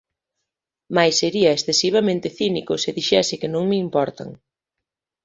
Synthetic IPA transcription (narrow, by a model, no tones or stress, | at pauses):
majsːeɾiɐesθesiβ̞amẽnt̪ɪθinikʊsɪðiʃɛsɪkɪnõŋmɪimpɔɾt̪a̰ŋ